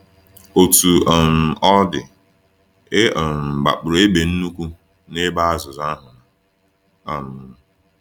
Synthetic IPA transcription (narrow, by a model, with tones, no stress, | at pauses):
o˨tu˨m̩˨ɔ˦dɪ˨ | e˦˨m̩˨ɡ͡ba̰˨k͡pʊ˨ɾo˨˦e˦be˨n̩˦nu˦kʷu˦ | ne˦ba˦a˦zʊ˨za˦ɦʊ˨na˨ | a˨m˨